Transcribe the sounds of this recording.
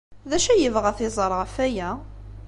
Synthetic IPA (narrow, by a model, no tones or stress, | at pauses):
ðæʃæjəvʁəθɪzˤəɾˤʁəfæjæ